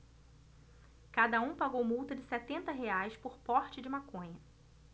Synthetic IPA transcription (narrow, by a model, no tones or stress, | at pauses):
kad̪ɐũpaɡowmuwt̪ɐd͡ʒɪsɛt̪ẽnt̪ɐɦeajspʊɾpɔɾt͡ʃɪd͡ʒɪmakõɲɐ